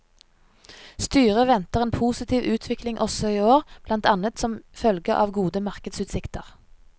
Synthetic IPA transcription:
st̪yːʁəʋɛnt̪əʁeːnpʰuːsɪt̪ʰiːʋʔʉːt̪ʰʋɪklɪŋʔɔsɔiːoːʁb̥lɑnt̪ɑnət̪sɔmfœlɡəʔɑ̰ːʋɡuːd̪əmɑʁkəd̪sʉːt̪sɪkt̪əʁ

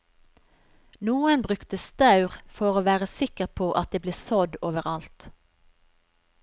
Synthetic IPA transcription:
nuːənbʁʉkt̪əst̪ɑʉʁfɔʁoːʋæːʁəsɪkəʁpʰoːʔɑt̪̚d̪eːbleːsɔd̪oːʋəʁɑlt̪

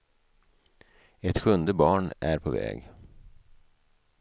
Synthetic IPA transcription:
ɛt̪ɧɵnd̪əbɑːɳæɾpʰɔvɛ̰ːɡ

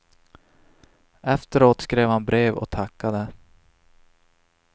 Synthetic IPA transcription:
ɛft̪əɾoːt̪skɾeːvhanbɾeːvɔ̰t̪ʰakːad̪ə

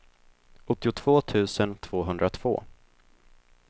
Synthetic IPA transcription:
ɔt̪ːɪʊt̪ʰv̥oːt̪ʰʉ̟ːsənt̪ʰv̥oːɦɵnd̪ɾat̪ʰv̥o̰ː

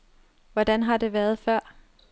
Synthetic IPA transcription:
ʋɒd̥ænɦɑ̈d̥e̝ʋæɐð̞̩ˠfɶɐ̰

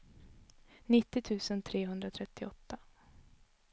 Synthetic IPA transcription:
nɪt̪ːɪt̪ʰʉ̟ːsənt̪ʰɾeːɦɵnd̪ɾat̪ʰɾɛt̪ːɪɔt̪ːa

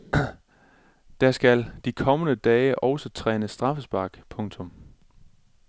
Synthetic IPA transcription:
d̥æsɡ̥æld̥ikʰɒ̽mənəd̥ɛːɪʔɒʊsɒt͡sʰʁɛ̰ːnəsd̥ʁɑ̈fəsb̥ɑ̈ɡ̥pʰɔ̽ŋt͡sʰɔ̽m

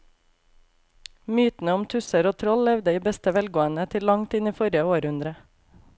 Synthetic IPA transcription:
myːt̪n̩əɔmt̪ʰʉsəɾoːt̪ʰɾɔllɛʋd̪əiːbɛst̪əʋɛlɡoːənət̪ʰɪlɑŋt̪ɪniːfɔɾjəoːɾhʉnd̪ɾə

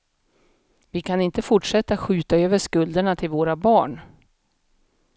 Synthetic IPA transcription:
vɪkʰanɪnt̪əfʊʈʂɛt̪ːaɧʉ̟ːt̪aøːvəʂkɵld̪əɳat̪ʰɪlvoːɾabɑːɳ

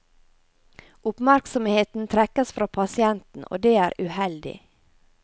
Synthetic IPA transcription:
ʔʊpmæɾksɔmheːt̪n̩t̪ʰɾɛkəsfɾɑːpʰɑsɪɛnt̪n̩ʔo̰ːd̪eːæːɾʉhɛld̪ɪ̰

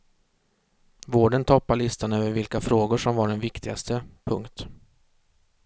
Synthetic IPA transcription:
voːɖənt̪ʰɔpːaɭɪst̪anøːvəɾvɪlkafɾoːɡʊʂɔmvaɖɛnvɪkt̪ʰɪɡa̰st̪əpʰɵŋkt̪

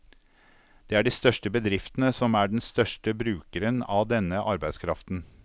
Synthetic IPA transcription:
d̪̥eːæːɖiːst̪œʂʈəbəd̪ɾɪft̪nəsɔmæːɖɛn̩st̪œʂʈəbɾʉːkəɾənɑːʋd̪ɛnːəʔɑɾbæɪd̪skʰɾɑft̪n̩

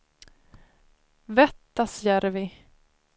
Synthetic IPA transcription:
vɛt̪ːasjæɾvɪ

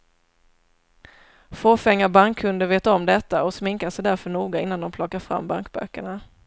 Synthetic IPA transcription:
foːfɛŋːaɾbaŋkʰːɵnd̪əveːt̪aɔmd̪ɛt̪ːaɔsmɪŋkasɛjd̪æɾfœɳuːɡaɪnːand̪ɔmpʰlɔkːaɾfɾa̰mːba̰ŋkbœ̰kːəɳa

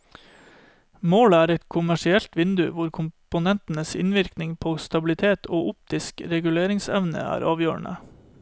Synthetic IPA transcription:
moːləæːɾɛt̪kʰʊmæʂɪɛlt̪ʋɪnd̪ʉʋʊɾkʰʊmpʊnɛnt̪n̩əsɪ̰nʋɪɾknɪŋpʰoːst̪ɑbɪlɪt̪ʰeːt̪ʰoːʔʊp̚t̪ɪskɾɛɡʉleːɾɪŋsɛʋnə̰æ̰ːɾʔɑːʋjøːɳʔə̰

